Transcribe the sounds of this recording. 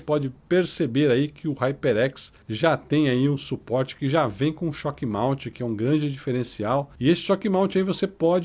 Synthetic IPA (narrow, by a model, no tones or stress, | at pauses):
pɔd͡ʒɪpeɾsebeɾaikʰɪʊhajpeɾɛksʒat̪ẽj̃aiũsupɔɾt͡ʃɪ̥kɪʒavẽj̃kõʊʃɔkimaw̃t͡ʃɪkɪɛũɡɾɐ̃d͡ʒɪd͡ʒifeɾẽsiawɪesɪ̥ʃɔkimãw̃t͡ʃaivosepɔd͡ʒ